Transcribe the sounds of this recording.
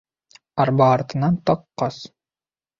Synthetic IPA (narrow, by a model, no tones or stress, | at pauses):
ɑɾbɑːɾt̪ɤ̆nɑnt̪ɑqːɑs